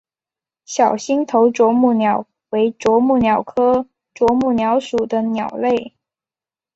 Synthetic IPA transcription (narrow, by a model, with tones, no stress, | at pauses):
ɕjɑ˨˩ʊɕi˥ŋt̪ʰo˧˥ʊʈ͡ʂwɔ˧˥mu˥˩njɑ˨˩ʊ | we˧˥ɪʈ͡ʂwɔ˧˥mu˥˩njɑ˨˩ʊkʰɤ˥ | ʈ͡ʂwɔ˧˥mu˥˩njɑ˧˥ʊʂu˨˩d̪ə˦njɑ˨˩ʊle˥˩ɪ